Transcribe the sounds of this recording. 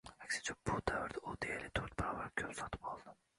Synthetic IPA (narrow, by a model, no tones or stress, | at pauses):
akʲsɪ̥t͡ʃʰabʊd̪avɪɾd̪aod̪ejɪlɪt̪ʰøɾt̪̚baɾɒvaɾkʲʰɵpsɒt̪ʰɪ̥p̚ʰɒlˠd̪ɪ